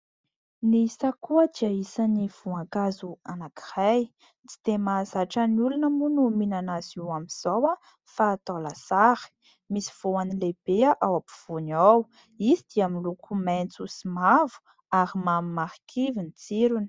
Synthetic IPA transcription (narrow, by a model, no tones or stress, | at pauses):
nisakuəd̪iaisaniv̥uaŋkazuanaki̥raj | t͡si̥t̪emazaʈ͡ʂəniulunəmunuminanaziwamiz̥awa | faːt̪alasaɾi̥ | misi̥v̥oanileb̥eaʔawapu̥v̥unaw | izid̪̥iamilukʰument͡susimavu̥ | aɾimamimaɾikʰivinit͡siɾuni̥